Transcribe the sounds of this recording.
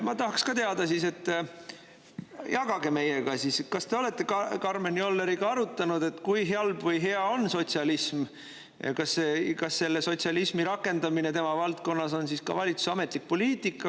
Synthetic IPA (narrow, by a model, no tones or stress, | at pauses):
mɑt̪ɑɦɑkskɑt̪e̞ɑd̪̥ɑsis̬e̞t̪ːˑ | jɑɡ̥ɑɡe̞me̞jeɡ̥ɑsiskɑst̪e̞o̞le̞t̪ːˑe̞kɑkɑrmenio̞lːeɾiɡ̥ɑɑɾut̪ːˑɑnud̪̥e̞t̪kujɦeɑlbvɤjɦe̞ɑo̞nso̞t̪siɑlism̰ | kɑsːekɑsːe̞lːe̞so̞t̪ʲsiɑlismiɾɑkːˑe̞nd̪̥ɑmine̞t̪e̞mɑvɑlt̪̚ko̞nːɑso̞nsiskɑ̰vɑlʲit̪su̥sɑme̞t̪ˑlik̚po̞liːt̪ˑikːˑɑ